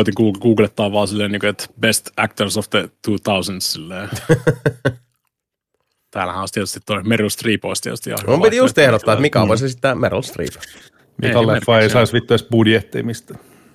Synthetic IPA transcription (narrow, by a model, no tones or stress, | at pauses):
t̪iŋkuːɡuːɡlet̪ːɑːʋʋɑːsilːeːniːŋkoet̪best̪æk̚t̪ərsoft̪et̪uːt̪ɑusənssilːeː | t̪æːlæhæ̃ost̪iɛt̪yst̪it̪t̪oimerolst̪riːpoist̪ḭḛt̪yst̪jɑ̰umit̪ijust̪ehdot̪ːɑːet̪mikæʋo̰isesit̪ːæmer̰lst̪rḭːp | miɑlːefːɑeisɑisʋit̪ːɑis̚b̥udjet̪ːḛmist̪æ